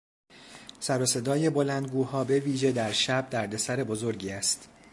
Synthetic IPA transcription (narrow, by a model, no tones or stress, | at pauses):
sæɾose̞d̪ɒːje̞bo̞lænd̪ɡuːhɒːbe̞viːʒe̞d̪æɾʃæb̚d̪æɾd̪e̞sæɾe̞bo̞zo̞ɾɟiːæst̪